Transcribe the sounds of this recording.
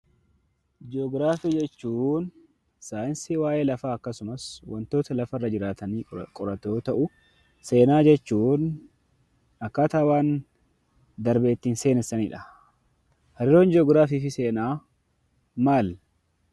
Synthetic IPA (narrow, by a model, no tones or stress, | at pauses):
d͡ʒoːɡɾaːfiːd͡ʒɛt͡ʃːuːn | saːjɪnsiwaːʔe̞ːlɐfaːɐkːɐsʊmɐswɐnt̪o̞ːt̪ɐlɐfɐrːɐd͡ʒɪɾaːt̪ɐniːkʼɔɾɐt̪o̞ːt̪ɐʔʊ | se̞ːnaːd͡ʒɛt͡ʃːuːn | ɐkːaːt̪aːwaːn | d̪ɐɾbeːt̪ːiːnse̞ːnɛsːɐniːᶑɐ | hɐɾɪɾoːnd͡ʒoːɡɾaːfiːfɪse̞ːnaː | maːl